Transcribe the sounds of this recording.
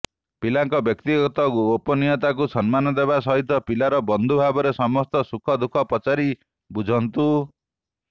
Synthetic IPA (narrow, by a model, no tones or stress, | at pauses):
pilaŋkɔbjɔk̚t̪iɡɔt̪ɔopɔnijɔt̪ak̬usɔnmanɔd̪eβasɔɦit̪ɔpilaɾɔbɔnd̪ʱubʱabɔɾesɔmɔst̪ɔsukʰɔd̪ukʰɔpɔt͡ʃaɾi | bud͡ʒʱɔnt̪u